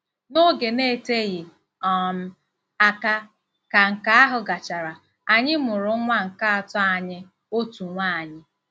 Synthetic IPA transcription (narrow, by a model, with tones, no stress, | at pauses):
no˦ɡe˨ne˦˨te˦ɣɪ˨ | ɔ˦˨m̩˦ | a˨ka˦ | ka˨ŋ̩˨ka˨a˦ɦʊ˨ɡa˨t͡ʃa˨ɾa˨ | a˨ɲɪ˦mʊ˨ɾʊ˨˦ŋʷa˦ŋ̩˨ka˦a˨tɔ˦a˨ɲɪ˦ | o˦tu˨ŋʷa˦˨a˨ɲɪ˦